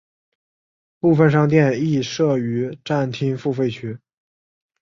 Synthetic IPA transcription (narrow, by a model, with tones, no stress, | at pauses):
pu˥˧fə˧nʂ̬ɑ˥˧ŋt̪̬jɛ˥˧ni˥˧ʂɤ˥˩y˧˥ʈ͡ʂa˥˩nt̪ʰi˥ŋfu˥˧fe˥˩ɪt͡ɕʰy˥